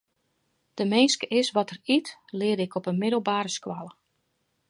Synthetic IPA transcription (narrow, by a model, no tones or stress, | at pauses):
d̥əmeːnskəʔɪsʋɔtəritlɪədɪkɔpənmɪdəlˠbaːɾəskwalˠə